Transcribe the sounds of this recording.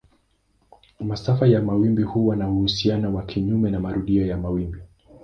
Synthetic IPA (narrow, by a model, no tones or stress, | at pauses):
masafajamawimbihuwanauhusianawakʰiɲumɛnamaɾuɗiɔjamawimbi